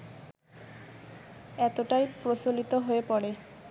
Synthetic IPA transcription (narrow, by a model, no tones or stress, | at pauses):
et̪oʈajpɾosolit̪oɦoepɔɽe